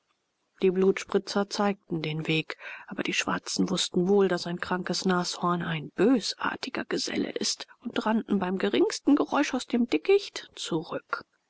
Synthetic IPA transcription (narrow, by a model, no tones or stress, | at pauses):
d̥iːbluːtʃpʁ̥ɪt͡sɐt͡saɪk̚tn̩deːnveːkʔaːbɐd̥iːʃv̥a̰ɐt͡sn̩vʊstn̩voːldasaɪnkʁ̥aŋkəsnaːshɔɐnaɪnb̥øːsʔa̰ɐtʰɪɡ̥ɐ̰ɡ̥əz̥ɛ̰lə̰ʔɪ̰stʊntʁanʔn̩baɪmɡəʁɪŋstn̩ɡəʁɔʏʃaʊsd̥eːmdɪkɪçtt͡suʁʏk